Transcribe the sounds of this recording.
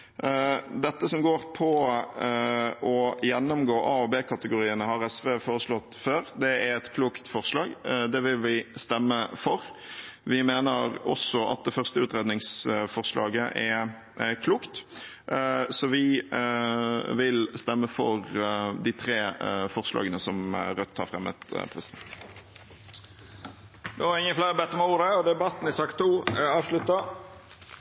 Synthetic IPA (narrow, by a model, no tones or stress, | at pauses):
d̪ɛt̪ːəsɔmɡoːɾpʰɔ | ʔɔjɛnːʊmɡoːʔɑːoːbeːkʰɑt̪əɡʊɾiːənəhɑɾɛsʋeːfoːɾəslɔt̪ːføːɾd̪ɛæɾɛt̪kʰluːkt̪fɔʁslɑːɡd̪ɛʋɪlʋɪst̪ɛmːəfɔɾʋɪmeːnəɾɔ̰sɔʔɑ̰t̪̚d̪ɛfœʁst̪əʉːt̪ɾeːd̪nɪŋsfɔʁslʔɑ̰ːɡəʔɛ | kʰluːkt̪ | sɔʋɪ | ʋɪlst̪ɛmːəfɔɾd̪ɪt̪ʰɾeːfɔʁslɑ̰ːɡənəsɔmɾœt̪ʰːɑːfʁɛmːɛ̰t̪pʰɾɛsɪd̪ɛnt̪ | d̪ɛʋɑɾɪŋːəflæɪɾəbɛt̪ːəmɑuːɾəɔd̪ɛbɑt̪ːn̩ɪsɑkt̪ʰːuːɑːʋʂlʉt̪ːɑ